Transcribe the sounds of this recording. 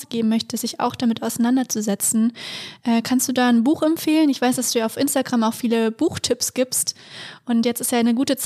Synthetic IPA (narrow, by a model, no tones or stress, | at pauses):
ɡ̥eːbm̩mœçtəsz̥ɪça̰ʊxd̥amɪtaʊsanandɐt͡suzɛt͡sn̩ʔɛːkʰanstd̥uːdaːnbuːxɛmfeːlənɪçv̥aɪsd̥asd̥uːaʊfʔɪnstaɡʁamaʊxfiːləb̥uːxtʰɪpsɡ̥iːpstʔʊntjɛt͡stɪ̥stjaːnəɡuːtət͡s